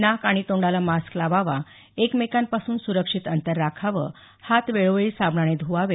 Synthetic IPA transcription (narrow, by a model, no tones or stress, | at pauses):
nakaɽ̃it̪õɳɖalamasklaʋaʋa | ekmekanpasuːnsuɾəkʂit̪ənt̪əɾːakʰaʋə̰ː | hat̪ʋeɭoʋɭiːsabɳañed̪ʱuʋaʋe